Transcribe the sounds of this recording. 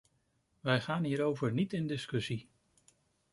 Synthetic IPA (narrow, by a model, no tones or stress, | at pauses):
ʋɛjχaːnɦiːɾowvəɹnitɪndɪskɵsi